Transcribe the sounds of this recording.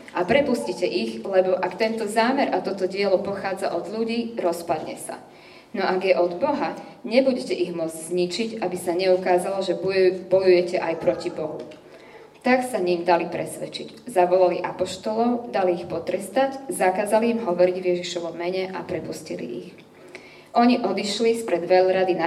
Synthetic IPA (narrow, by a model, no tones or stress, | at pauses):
ʔapɾɛpuscicɛʔiɣlɛbɔʔakt̪ɛnt̪ɔzaːmɛɾʔat̪ɔt̪ɔɟɪɛlɔpɔxaːd͡za̰ʔɔd̪ʎuɟiːɾɔspad̪ɲɛ̰sa̰ | nɔʔaɡjɛʔɔd̪bɔɦaɲɛbuɟɛcɛʔiɣmʊɔd͡zɟzɲit͡ʃiɟabisaɲɛukaːzalɔʒɛbɔjujɛcɛʔajpɾɔcibɔɦu | t̪aksaɲimd̪alipɾɛsʋɛt͡ʃiɟzaʋɔlaliʔapɔʃt̪ɔlɔʊd̪aliːxpɔt̪ɾɛst̪aɟzakaːzaliːmɦɔʋɔɾiɟʋjɛʒiʃɔʋɔmːɛɲɛʔapɾɛpuscḭlḭʔix | ʔɔɲiʔɔd̪iʃlispɾɛd̪ʋɛʎɾad̪ina